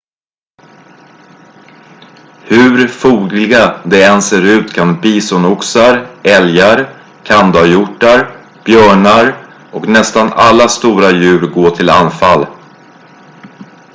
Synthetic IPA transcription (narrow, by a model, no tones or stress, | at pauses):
hɵɾfuːɡlɪɡad̪ɛɛnseːɾʉ̟ːt̪kʰanbiːsɔnʊksaɾɛljaɾ | kʰand̪ajʊʈːaɾ | b̥jœːɳaɾ | ɔknɛst̪ana̰lːast̪uːɾajʉ̟ːɾɡoːt̪ʰɪla̰nfal